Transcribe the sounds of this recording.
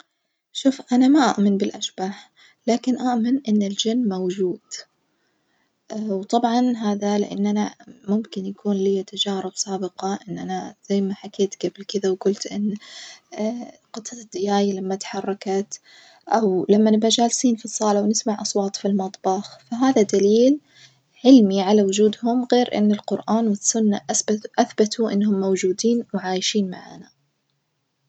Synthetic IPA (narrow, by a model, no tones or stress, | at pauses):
ʃuːfʔanamaʔa̰ʔmɪnbɪlʔaʃb̥aːħ | laːkɪnʔaʔmɪnʔɪnːɪld͡ʒanːmowd͡ʒuːd̪̥ | wt̪ˤɑbʕɑnɦaːðalɪ̰ʔa̰nːʔanamʊmkɪnjakuːnlijːat̪ad͡ʒaːɾɪbsˤɑːbɪqɑʔɪnːʔanaz̥ajːmaħakeːt̪ɡ̥ablkɪðawɡʊlt̪ʔɪnː | qɨt̪ˤːɑd̪̥ːɪjaːjalamːat̪ħɑrˤːɑkat̪ | ʔawlamːanɪbad͡ʒaːlsiːnfisˤːɑːlawnɪsmaʕʔɑsˤwɑːt̪ˤfilmɑt̪ˤbɑxfaɦaːðad̪aliːl | ʕɪlmiʕalawʊd͡ʒuːd̪hʊmɣeːɾʔɪ̰nːɪlqʊɾʔaːnwɪsːʊnːaʔʔaθbat̪uʔɪ̰nːɦʊmːowd͡ʒuːd̪iːnwʕaːjʃiːnmaʕa̰ːna